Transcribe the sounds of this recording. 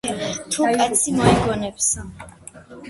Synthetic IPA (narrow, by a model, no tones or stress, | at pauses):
t̪ʰukʼat̪sʰimɔɛɡɔnɛps